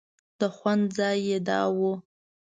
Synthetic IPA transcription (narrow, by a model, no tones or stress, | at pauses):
d̥aχʷand͡zajada̰wo